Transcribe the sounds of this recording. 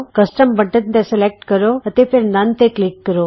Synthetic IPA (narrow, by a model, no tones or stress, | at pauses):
kɐsʈəmbəʈənt̪ẽselek̚ʈkəɾoət̪epʰeɾnant̪eklikːəɾo